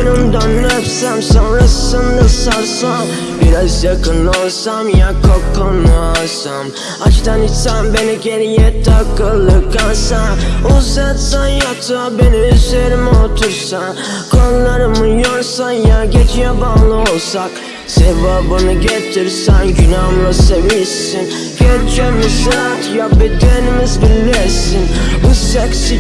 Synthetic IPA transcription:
benɯmd̪anːɯɛpsæmsonɾasɯnd̪asaɾsa | biɾazjakʰɯnlˠɯolˠsamjakʰokːonɯasam | at͡ʃt̪ʰanisambe̞niɟe̞ɾijɛt̪ʰakːɯlˠːɯkkːasauzat̪sanjat̪ʰɯbeniyzeɾimot̪ʰuɾsan | kʰonˠlˠaɾɯmɯjoɾsanjaɟet͡ʃijɛbaːlˠɯo̞lˠsak | sevaːbɯnɯɟet̪ʰiɾsænɟynamlˠasevisin | ɟɛɾt͡ʃʰɛmisɯɾat̪ʰjabed̪enimizbilʲːɛsinbusɛksi

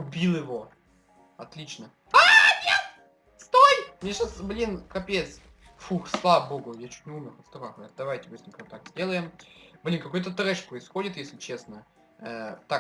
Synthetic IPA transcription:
ʊbʲilˠjɪvo̞ | ɐt̪lʲit͡ɕnə | anʲet | st̪ojmnʲeʂasblʲinkɐpʲet̪s | fuxslˠavəbo̞ɡʊjat͡ɕu̥tʲnʲɪumʲɪɐst̪ɾaxʲa̰t̪d̪ɐvajtʲɪmɨsʲɪnmʲkɐt̪akzʲdʲe̞lˠəjɪmblʲinkɐko̞jʲt̪ət̪ɾɛʂpɾəɪsxodʲɪt̪jesʲlʲɪt͡ɕe̞snə | ət̪a

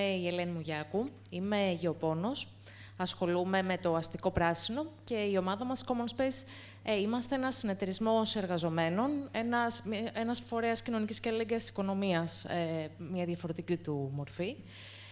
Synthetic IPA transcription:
eiele̞nimuʝɐku | ime̞ʝeo̞po̞no̞s | ɐsxo̞lume̞me̞t̪o̞ɐst̪iko̞pɾɐsino̞ce̞io̞mɐðɐmɐsko̞monspes | imɐst̪e̞enɐsine̞t̪e̞ɾizmo̞se̞ɾɣɐzo̞me̞no̞ne̞nɐsenɐsfo̞ɾe̞ɐscino̞nicisceeleɡeɐst̪si̥ko̞no̞miɐsemɲɐðjɐfo̞ɾe̞t̪icit̪umo̞ɾfi

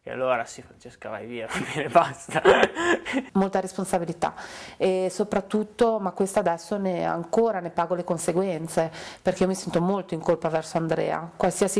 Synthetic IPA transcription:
kḛa̰lːoːɾasifɾant͡ʃeskava̰jviːafmenebast̪a | molt̪aɾesponsabilit̪a̰esopɾat̪ːut̪ːomakːwest̪ad̪ɛsːonea̰ŋkoːɾanepaːɡolekonseɡwɛnt̪seperkeiomisɛnt̪omolt̪oiŋkolpavɛrsoand̪ɾɛ̰ːa̰kwalsiasi

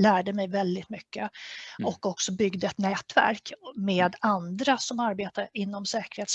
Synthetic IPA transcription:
læːɖəmɛjvɛld̪ɪt̪mʏkːəɔkːɔksɔbʏɡd̪əɛt̪nɛːt̪væ̰ɾkmeːd̪and̪ɾasɔmaɾbeːt̪aɾɪnːɔmsɛːkəɾheːt̪s

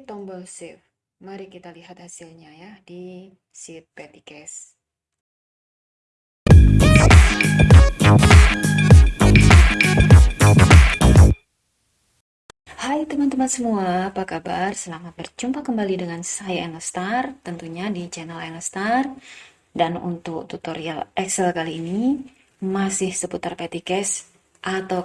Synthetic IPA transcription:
t̪ɔmbɔlsif | maɾikit̪aliɦat̪̚hasilɲajadi | sit̪̚pet̪ikɛs | hajt̪əmant̪əmansəmuaapakabarsəlamat̪̚bərt͡ʃumpakəmbalidəŋansajaɛnəst̪art̪ənt̪uɲadid͡ʒanalɛnəst̪ar | danṵnt̪ʊk̚t̪ut̪oɾia̰lɛksɛlkaliːni | masɪhsəput̪arpet̪ikɛs | ʔat̪a

